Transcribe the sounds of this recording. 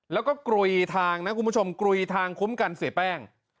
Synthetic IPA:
lɛː˦˥wkɔː˥˩kɾu˧jt̪ʰaː˧ŋna˦˥ku˧nmbu˥t͡ɕʰo˧mkɾu˧jt̪ʰaː˧ŋkʰu˦˥mka˧nsi˨˩˦pɛː˥˩ŋ

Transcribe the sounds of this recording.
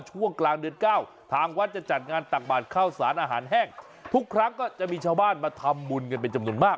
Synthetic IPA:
t͡ɕʰu˥˩əŋklaː˧ŋdɯ˧ənkaː˥˩w | t̪ʰaː˧ŋwa˦˥t̪̚t͡ɕa˨˩t͡ɕa˨˩t̪̚ŋaː˧nt̪a˨˩k̚baː˨˩t̪̚kʰaː˥˩wsaː˩˦nʔaː˧ɦaː˩˦nɦɛː˥˩ŋ | t̪ʰu˦˥kʰːɾa˦˥ŋkɔː˥˩t͡ɕa˨˩ʔmiː˧t͡ɕʰaː˥˩baː˥˩nmaː˧t̪ʰa˧mbu˧nŋɤ˧np̬e˧nt͡ɕa˧mnu˧˩ənmaː˥˩k̚

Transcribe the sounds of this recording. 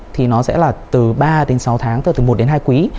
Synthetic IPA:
t̪ʰi˨˩nɔ˨˦sɛ̰˧˥laː˨˩t̪ɨ˨˩ɓaː˧ɗe˨˦nsa˨˦wt̪ʰaː˨˦ŋt̪ɨ˧˨˩t̪ɨ˨˩mo˨˩t̚ɗe˨˦nɦaː˧jkwi˨˦

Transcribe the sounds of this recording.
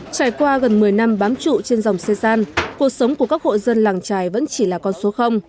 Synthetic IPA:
t͡ɕaː˧˩jkwaː˧ɣə˨˩nmɨ˨˩əjna˧mɓaː˨˦mt͡ɕṵ˧˨t͡ɕe˧nza˨˩wŋ͡mse˧zaː˧nku˨˩ək̚sə˨˦wŋ͡mku˧˩əkaː˦˥k̚ho̰˧˨jzə˧nlaː˨˩ŋt͡ɕaː˨˩jvə̰˧˥nt͡ɕi˧˩laː˨˩kɔ˧nso˨˦xə˧wŋ͡m

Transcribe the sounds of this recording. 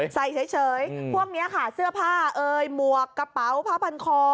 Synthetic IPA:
sa˨˩jt͡ɕʰa˦˥jt͡ɕʰɤː˩˦jpʰu˥˩əŋ̚ni˦˥ɐka˥˩sɯ˥˩əpʰaː˥˩ʔɤː˧jmu˨˩əkːa˧pa˨˦˥wpʰa˦˥˩pʰa˧nkʰɔː˧

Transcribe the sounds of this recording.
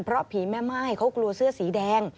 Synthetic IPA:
npʰɾɔ˦˥pʰːiː˨˩˦mɛː˥˩maː˥˩jkʰa˦˥wklu˧ɐsɯ˥˩əsiː˩˦dɛː˧ŋ

